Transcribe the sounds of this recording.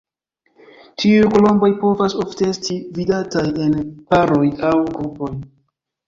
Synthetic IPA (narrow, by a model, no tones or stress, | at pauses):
tʰiujkolo̞mbo̞jpo̞vaso̞fte̞e̞stividataje̞npaɾo̞jawɡɾupo̞j